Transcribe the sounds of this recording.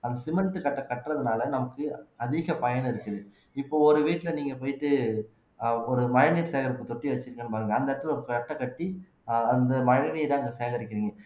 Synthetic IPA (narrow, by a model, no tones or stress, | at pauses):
ɐnd̪ɐsɪmɛɳʈːɯkɐʈːɐkɐʈːrɐðɯnaːlɐnɐmɐkːɯɐðɪɣɐpɐjɐnɪɾɯkːɐðɯ | ɪpːoːɔɾɯʋiːʈːɪlɐniːŋɡɐpoːjʈːɯ | ɔɾɯmɐɻɐniːɾseːɣɐɾɯkːɯt̪ɔʈːiʋɐt͡ʃːɪɾɯŋɡɐnːɯpaːɾɯŋɡɐɐnd̪ɐɪɾɐt̪ːɪlɔɾɯkɐʈːɐkːɐʈːi | ɐnd̪ɐmɐɻniːɾãːɐŋɡɐseːŋɡɐɾɪkːɪɾiːŋɡɐ